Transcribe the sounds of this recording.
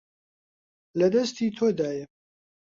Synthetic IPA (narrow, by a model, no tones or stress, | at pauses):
lɐd̪ɐst̪iːt̪ʰoːd̪aːjɛ